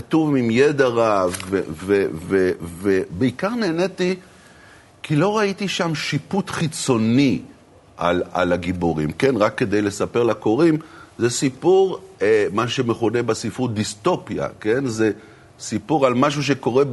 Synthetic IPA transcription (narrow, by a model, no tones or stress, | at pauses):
atuvimjed̪aʁavvḛvevevebeikaʁne̞ːneti | kilo̞ʁait̪iʃamʃiput̪χit͡so̞ni | ʔa̰la̰laɡiboʁḭmke̞nʁakːe̞d̪ejle̞sapeʁlakoʁimzesipuʁemaʃuʃemeχune̞basifud̪ist̪o̞pja̰ke̞nze | sipuʁalmaʃ̬uʃ̬e̞ko̞ʁe